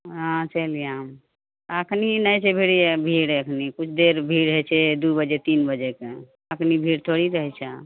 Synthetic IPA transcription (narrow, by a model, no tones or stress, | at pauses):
ɦãt͡ʃəlijãɦəm | əkʰninəjt͡ʃʰɛbʱiɽibʱiɽeəkʰnikut͡ʃʰd̪eɾbʱiɽɦɛt͡ʃʰɛd̪ubəd͡ʒet̪inbəd͡ʒeke | əkʰnibʱiɽt̪ʰoɽiɾəɦɛt͡ʃʰɛ